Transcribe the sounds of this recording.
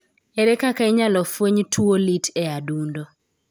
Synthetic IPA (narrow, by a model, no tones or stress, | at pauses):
ɛɾɛkakaiɲalɔfwoɲtʰuolitʰɛadundo